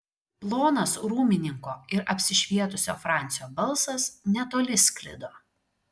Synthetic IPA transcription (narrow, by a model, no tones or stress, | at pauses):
plˠoːnɐsɾuːmʲɪnʲɪŋkoːɪɾɐpʲsʲɪʃʲʋʲiɛt̪ʊsʲo̰ːfɾɑˑnʲt̪sʲɪjoːbɐlˠsɐsnʲɛt̪oːlʲɪsʲkʲlʲɪ̰d̪oː